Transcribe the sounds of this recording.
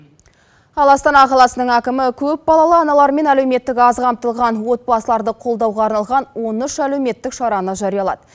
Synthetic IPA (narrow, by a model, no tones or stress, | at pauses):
ɑlˠɑst̪ɑnɑqɑlˠɑsənəɴækʲɪmɪkʲʰɵp̚bɑlˠɑlˠəɑnɑlˠɑɾme̞næle̞wme̞t̪ːɪkɑzʁɑmt̪əlˠʁɑnwo̞t̪̚bɑsəlˠɑɾd̪əqʰo̞lˠd̪ɑwʁɑːɾnɑlˠʁɑnwo̞nəʃælewme̞t̪ːɪkʃɑɾɑnɑʒɑɾjɑlˠɑ̰d̪ə